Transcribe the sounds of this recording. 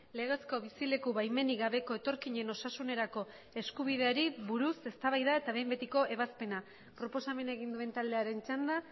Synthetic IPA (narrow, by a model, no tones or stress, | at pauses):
le̞ɣe̞sko̞βisile̞kuβajme̞niɣaβ̞e̞ko̞e̞t̪o̞ɾkiɲe̞no̞sasune̞ɾako̞ | e̞skuβið̞e̞aɾiβuɾuse̞st̪aβajðae̞t̪aβe̞jmbe̞t̪iko̞ʔe̞β̞aspe̞na | pɾo̞po̞same̞naeɣ̞ind̪ue̞nt̪ald̪e̞aɾe̞nt͡ʃand̪a